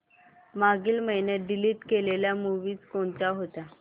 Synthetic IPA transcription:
maɡiːlməɦinjət̪̚ɖiliːʈkeleljamuʋiːt͡skoɳt͡ɕaɦot̪a

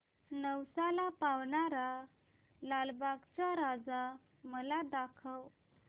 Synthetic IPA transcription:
nəwsalapawɳaɾa | lalbaɡt͡ɕaɾad͡za | məlad̪akʰəw

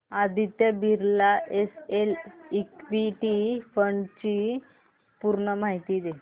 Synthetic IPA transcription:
ad̪ʱit̪jəbʱiɾlaʔeselikʋiʈifəɳt͡ɕi | puɾɳəmaɦit̪id̪e

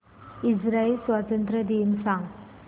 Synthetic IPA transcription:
isɾaelswat̪ɐnt̪ɾɐd̪insaŋ

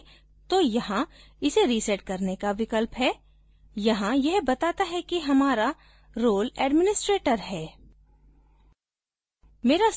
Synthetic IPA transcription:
t̪ojɐɦã | ɪseɾisɛʈ̚kɐɾnekaʋɪkəlpɦɛː | jɐɦãjɛɦbɐt̪aːt̪aɦɛkiɦɐmaːɾa | ɾoːlɛːɖmɪnɪsʈɾeːʈəɾɦɛː | meːɾa

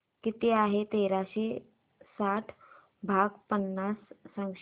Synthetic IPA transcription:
kit̪eaɦet̪eɾaɕe | saʈʰ | bʱaɡpənːasːãŋɡʃ

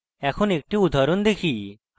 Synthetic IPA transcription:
ɛkʰuːnek̚ʈĩud̪ʱaɾuːnd̪ekʰiː

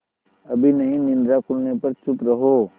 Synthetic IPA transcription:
ɐbʱinɐɦĩnɪ̃nd̪ɾakʊlnepɐɾt͡ʃʊpɾɐɦoː

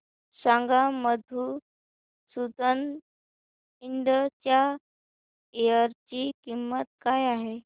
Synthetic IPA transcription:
sãŋɡaməd̪ʱu | sud̪ən | iɳɖət͡ɕja | ejəɾt͡ɕikimːət̪̚kajaɦe

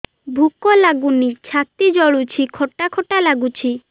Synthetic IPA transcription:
bʱukolaɡunit͡ɕʰat̪ːid͡ʑɔɭut͡ɕʰikʰɔʈːakʰoʈalaɡut͡ɕʰi

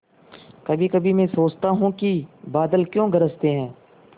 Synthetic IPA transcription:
kɐbʱikɐbʱimɛ̃soːt͡ʃt̪aɦũkibaːd̪əlkjõːɡəɾəst̪eɦɛ̃ː

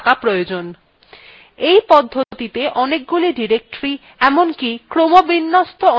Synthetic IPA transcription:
kapɾojod͡ʑon | ejpɔd̪ʱːot̪it̪eʔɔnek̚ɡuliɖiɾek̚ʈɾi | ɛmonkikɾomobinːost̪oɔ

